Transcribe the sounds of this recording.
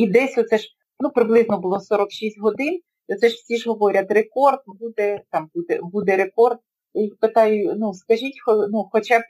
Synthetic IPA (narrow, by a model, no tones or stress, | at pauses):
id̪ɛsʲɔt̪sɛʒ | nupɾɪblˠɪznɔbʊlˠɔsɔɾɔkʃisʲtʲɦɔd̪ɪn | ɔt̪sɛʒwsʲiʒɦɔʋɔɾʲɐt̪rekɔrd̪̚bud̪ɛt̪ɑmbud̪ɛ̰bud̪ɛɾekɔrd̪̚ | jixpet̪ɑjʊnuskɐʒʲitʲxɔnuxɔt͡ʃɑb